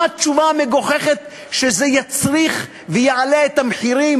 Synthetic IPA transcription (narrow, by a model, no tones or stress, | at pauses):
at̚t͡ʃuvameɡo̞χeχet̪ | ʃezejat͡sʁiχ | vejaʕaleet̪hamħiɾim